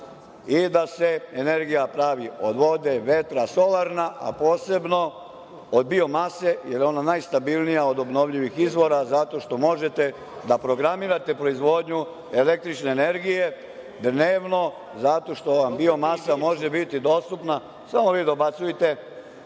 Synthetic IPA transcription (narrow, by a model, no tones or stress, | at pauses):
id̪ase̞ene̞ɾɡijapɾaʋiod̪ʋo̞d̪eʋe̞t̪ɾaso̞laɾnaʔa̰po̞ːse̞bno̞ | od̪̚bio̞mase̞jeɾjo̞nanajst̪abilˠnijaod̪o̞bno̞ʋʎiʋixizʋo̞ɾazat̪o̞ʃt̪o̞mo̞ʒe̞t̪e̞ | d̪apɾo̞ɡɾamiːɾat̪e̞pɾo̞izʋo̞d̪ɲu | e̞le̞k̚t̪ɾit͡ʃne̞ːne̞ɾɡije̞ | d̪neːʋno̞ | zat̪o̞ʃt̪o̞ʋambio̞masamo̞ʒebit̪id̪o̞st̪upna | samo̞ʋiːd̪obat̪sujet̪e̞